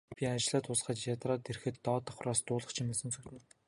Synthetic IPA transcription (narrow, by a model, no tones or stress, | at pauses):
pʲiat͡ɕɮaːt̪ʊsχə̆t͡ɕjat̪raːt̪erxɘ̆t̪ːɔːt̪ḁ̆χraːst̪ʊːɮə̆χt͡ɕʰimĕːsə̆nt͡sɵkt̪ɘ̆n